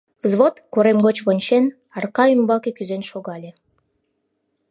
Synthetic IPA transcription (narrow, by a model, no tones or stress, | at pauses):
vzβot̪koɾemɡot͡ɕβonʲt͡ɕen | ɑrkɑymbɑkekyzenʃoɣɑlʲe